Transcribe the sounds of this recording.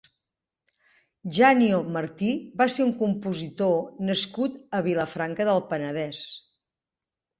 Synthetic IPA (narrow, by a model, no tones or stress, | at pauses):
ʒaniomərt̪iβaseuŋkumpuzit̪onəskut̪əβiləfɾaŋkəðəlˠpənəð̞ɛs